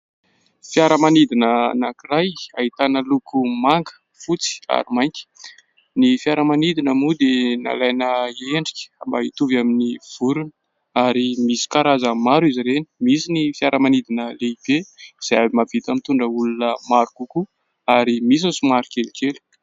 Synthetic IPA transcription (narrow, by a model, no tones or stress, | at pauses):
fjaɾəmanid̪inənakirajaɦit̪anəlukʰumaŋɡə̥ | fut͡si̥a̰ɾimajŋkʲə̥ | nifjaɾəmanid̪inəmud̪ena̰lajnəeɳɖ͡ʐi̥kʲə̥ambait̪uvaminiv̥uɾunə̥ | aɾimisi̥kaɾazamaɾiziɾeni̥misinifjaɾʔəmanid̪inəleib̥eiz̥ajabimav̥it̪amit̪uɳɖ͡ʐəulunəmaɾukuku | aɾimis̬usumaɾikelikelu̥